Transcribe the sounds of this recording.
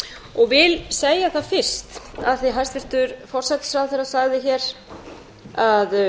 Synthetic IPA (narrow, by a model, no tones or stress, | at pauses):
ɔɣvɪlseːjaθaðfɪr̥st̪a̰ðθiɦajst̪vɪɾ̥t̪ʏɾfɔr̥sat̪sɾawθɛɾasaɣðɪçɛːɾ | að